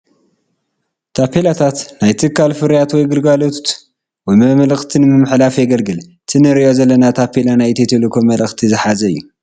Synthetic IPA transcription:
t̪ʰapːelat̪ʰat̪najt̪ʰɨkʰːalfɨɾjat̪wɔjɡɨlɡalo̞t̪ | wɔjmɐmɐlɐxt̪ʰinmɨmħlafjɛɡɐlɡɨlt̪ʰɨnɐɾiozɐlːɐnat̪ʰapːelanajt̪ʰet̪ʰelokʰomɐlɐxt̪ʰizɨħazɐɨjːu

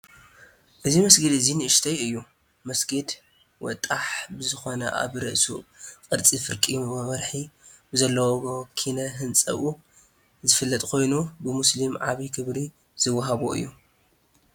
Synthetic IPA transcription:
ʔɨzimɐsɡɨd̪ɨzinɨʔɨʃt̪ʰɐjɨjːu | mɐsɡed̪ | wɔ̰t̪ʼaħbɨzɨxo̞nɐ̰ʔa̰βɾɐ̰ʔsṵqʼɨɾt͡sʼifɨɾkʼimɐβɐɾħibɨzɐlːɐwokʰinɐɦɨnt͡sʼɐ̰βu | zɨfɨlːɐt̪ʼkʰo̞jnubɨmʊslimʕaβikʰɨβɾi | z̥ɨwːɐɦaβuʔɨ̰jːu

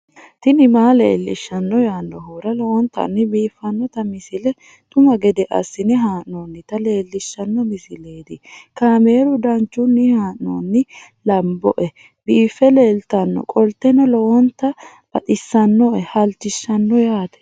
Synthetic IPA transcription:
t̪ɪnɪmaːlḛːlːɪʃːɐnːɔjaːnːɔɦuːɾɐlɔɔnt̪ːɐ̰nːɪbiːfːɐnːɔt̪ɐmɪsɪlɛ | t̪ʼʊmɐɡɛd̪ɛʔɐ̰sːɪnɪɦaːʔnoːnːɪt̪ɐle̞ːlːɪʃːɐnːɔmɪsɪleːd̪ɪkaːme̞ːɾʊd̪ɐnt͡ʃːʊnːɪhaːʔno̰ːnːɪ | lɐmbɔ̰ʔɛ | biːfːɛle̞ːlt̪ɐnːɔ̰kʼɔlt̪ɛnɐlɔwɔnt̪ːɐ | bɐ̰t̪ɪsːɐnːɔʔɛhɐlt͡ʃːɪʃːɐnːɔjaːt̪ɛ̥

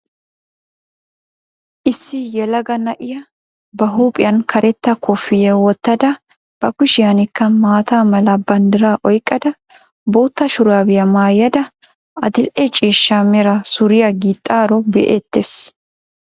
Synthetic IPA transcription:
ʔɪsːɪjɛlɐɡɐnɐʔɪjɐ | bɐɦuːpʼɪjɐnkʰɐɾʔɛt̪ːɐkʰʊfɪjɛwɔt̪ːɐd̪ɐ | b̥ɐkʊʃɪjɐnɪkːɐmaːt̪aːmɐlɐbɐnd̪ɪɾaːʔɔjkʼːɐd̪ɐ | boːt̪ːɐʃʊɾaːbɪjɐmaːjɐd̪ɐ | ɐd̪ɪlʔɛt͡ʃʼiːʃːamɛɾɐsʊɾɪjɐɡiːt̪ʼːaːɾɔbɛʔeːt̪ːes

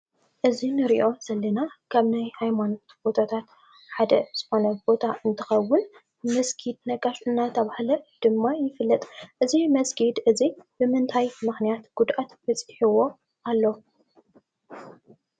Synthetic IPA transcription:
ʔɨzinɨɾiʔo̞z̥ɐlːɐnakʰaβnajhajmanot̪b̥o̞t̪ʰat̪ʰat̪ | ħad̪ɐz̥ɨxo̞nɐbo̞t̪ʰaʔɨnt̪ʰɨxɐwːʊn | mɐsɡʰid̪̚nɐɡʼaʃɨnːat̪ʰɐβahlɐd̪̥ɨmːajɪfɨlːɐt̪ʼʔɨzimɐsɡid̪ʔɨzib̥ɨmɨnt̪ʰajmɨxnijat̪ɡ̥ud̪ʔat̪bɐt͡sʼɨħiwo̞ | ʔalːo

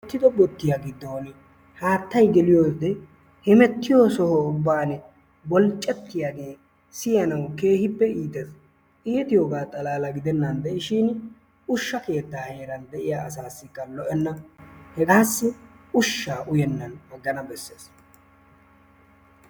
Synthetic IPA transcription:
t̪ːɪd̪ɔbɔt̪ːɪjaɡɪd̪ːoːn | haːt̪ːɐjɡɛlɪjoːd̪ɛ | hɛmɛt̪ːɪjoːsɔhɔʊbːaːn | bɔlt͡ʃʼːɛt̪ːɪjaːɡe̞ː | sɪjɐnɐwke̞ːhɪpːɛiːt̪ɛs | ʔɪjɛt̪ɪjoːɡaːt̪ʼɐlaːlɐɡɪd̪ɛnːɐnd̪ɛʔɪʃiːn | ʊʃːɐke̞ːt̪ːaːhe̞ːɾɐnd̪ɛʔɪjaːɐsaːsːɪkːɐlɔʔɛnːɐhɛɡaːsːɪʊʃːaːʔʊjɛnːɐnɐɡːɐnɐbɛsːeːs

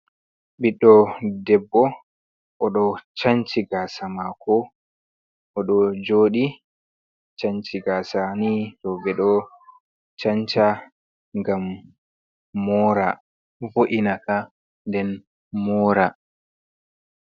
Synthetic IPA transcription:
ɓiɗːɔdɛbːɔ | ʔɔɗɔt͡ʃaɲt͡ʃiɡaːsamakʰɔ | ʔɔɗɔd͡ʒoːɗi | t͡ʃaɲt͡ʃiɡaːsaniɗɔbɛɗɔ | t͡ʃaɲt͡ʃa | ŋɡam | ɔɾa | voʔinaka | ndɛn | mɔːɾa

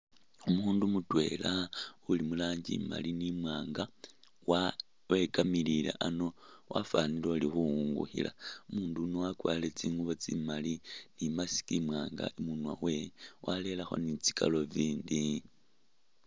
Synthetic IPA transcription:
umuːndumutwe̞̰laulimulaːɲɟḭma̰linimwaːŋɡa | wa | we̞kamililḛʔano̞wʔa̰fanilolixuŋɡṵxḭlaumuːndunowakwa̰ːle̞t͡siːŋɡuβot͡simalinimasi̥kimwaːŋɡa̰imunwawe̞wale̞laxo̞̰nit͡si̥kʰa̰lo̞viːndi

